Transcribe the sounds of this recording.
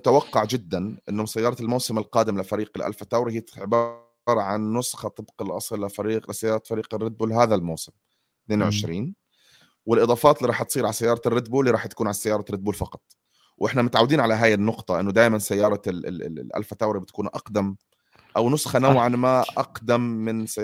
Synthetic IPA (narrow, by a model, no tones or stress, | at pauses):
ʊt̪awaqːɑʕd͡ʒɪd̪ːanʔɪ̰nːʊsajːɑːɾˤɑlmawsɪmɪlqɑːd̪ɪmlɪfaɾiːqɪlʔa̰lfat̪ːawɾˤihiːʕɪbɑː | ɾˤɑʕanːʊsxɑt̪ɨbqɑlʔɑ̰sˤlːɪfɾiːqlɪsajːɑːɾˤɑfaɾiːqɪrːɪd̪̚buːlɦaːðalmawsɪm | t̪neːnwʕɪʃɾiːn | wɪlʔɨd̪ˤɑːfɑːt̪ɪlːiːɾˤɑːħt̪sˤiːɾʕalasajːɑːɾˤɑrːɪd̪buːlːiɾˤɑːħt̪ḁkuːnʕalsajɑːɾˤɑrɪd̪̚buːlfɑqɑ̥t̪ˤ | wʔɪħnamʊt̪ʕawːɪd̪iːnʕalaɦaːjɪnːʊqt̪ˤɑʔɪnːʊd̪aːjmansajːɑːɾˤɑ̰lʔa̰lfat̪aːɾibɪt̪ḁkuːnʔɑ̰qd̪am | ʔawnʊsxanawʕanmaʔɑqd̪amːɪnsa